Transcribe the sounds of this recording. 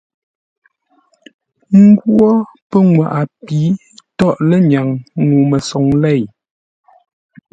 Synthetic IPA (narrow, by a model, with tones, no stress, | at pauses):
ŋ̩˦ɡwɔ˦pə˦ŋwa˨ʔa˨piː˨˦ | tɔ˦ʔlə˦ɲa˨ŋːu˨mə˨sɔ˨ŋlɛ˦˨j